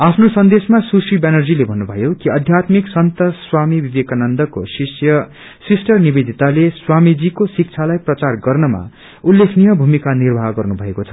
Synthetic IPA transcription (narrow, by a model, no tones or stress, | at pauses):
apʰnosʌnd̪esmasusibenʌrd͡zilebʱʌnːubʱʌjokiʌd̪ʱjat̪miksʌnt̪ʌswamibibekanʌnd̪ʌkosisjʌ | sisʈʌrnibed̪ʱit̪aleswamid͡zikosik̚t͡sʰalajprʌt͡sarɡʌrnʌma̰ | ulːekʰnijʌbʱumikanirbʱaɡʌrnubʱʌekot͡sʰʌ̥